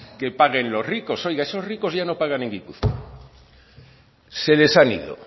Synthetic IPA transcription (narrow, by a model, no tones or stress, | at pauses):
kepaɣe̞nlo̞zrikoso̞jɣaeso̞zriko̞zʝano̞paɣ̞ane̞ŋɡipṵθko | se̞le̞sanḭðo̰